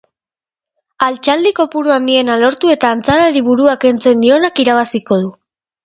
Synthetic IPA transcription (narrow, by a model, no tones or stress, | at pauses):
alt͡ʃald̪iko̞puɾuand̪ie̞nalo̞ɾt̪ue̞t̪aːnt͡saɾaɾiβuɾuake̞nt͡se̞nd̪io̞nakiɾaβ̞asiko̞ð̞u